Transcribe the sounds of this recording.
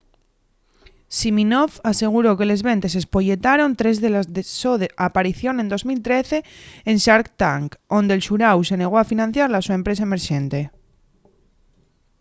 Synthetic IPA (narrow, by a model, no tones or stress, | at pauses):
siminofase̞ɣ̞uɾo̞ke̞le̞zβe̞nt̪e̞s̬espo̞ʎe̞t̪aɾo̞nt̪ɾe̞zðe̞lazesoðeʔapaɾiθjo̞nẽ̞nd̪o̞zmilt̪ɾe̞θe̞ːnʃaɾkt̪aŋko̞nd̪elʃuɾawse̞ne̞ɣ̞oafinãn̟θjaɾlasue̞mpɾe̞sae̞me̞ɾʃẽ̞nt̪e̞